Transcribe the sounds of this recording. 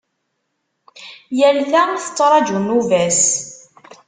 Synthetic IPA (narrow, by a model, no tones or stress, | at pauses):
jælːæmθət͡sˤːɾˤɑd͡ʒunuvæs